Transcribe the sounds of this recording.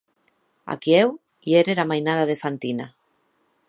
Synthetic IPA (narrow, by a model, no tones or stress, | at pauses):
a̰kiɛw | jɛɾeɾamajnað̞aðefant̪ina